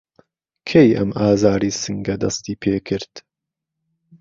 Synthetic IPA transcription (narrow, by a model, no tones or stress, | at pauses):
kʰejɐ̰mʔaːzaːɾiːsɨŋɡɐd̪ɐst̪iːpʰeːkʰɨɾd̪̥